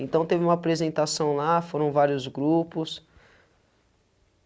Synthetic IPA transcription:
ẽnt̪ɐ̃w̃t̪evɪũmɐapɾezẽnt̪asɐ̃w̃lafoɾɐ̃w̃vaɾjʊzɡɾupʊs

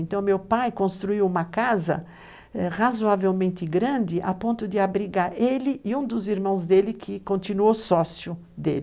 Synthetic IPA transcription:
ẽnt̪ɐ̃w̃mewpajkõst̪ɾuiwũmɐkazɐ̰ | ɛʁazoavewmẽnt̪ɪɡɾɐ̃nd̪ɪʔapõnt̪ʊd̪ɪabɾiɡaɾelɪʔɪũd̪ʊziɾmɐ̃w̃zd̪elɪkʰɪkõnt̪inuowsɔsjʊ | d̪ḛlɪ

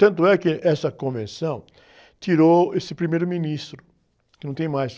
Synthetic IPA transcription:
t̪ɐ̃nt̪ʊɛkɪʔɛsɐkõvẽsɐ̃w̃ | t̪iɾoesɪpɾimejɾʊminist̪ɾʊ | kɪnɐ̃w̃t̪ẽj̃majs

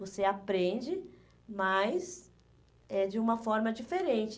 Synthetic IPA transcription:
voseapɾẽnd͡ʒɪ | mɐjs | ɛd͡ʒɪũmɐfɔɾmɐd͡ʒifeɾẽnt͡ʃɪ

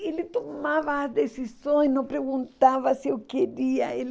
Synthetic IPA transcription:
elɪt̪omavɐːzd̪esisõj̃snɐ̃w̃pɾeɣũnt̪avɐsɪewkeɾiɐel

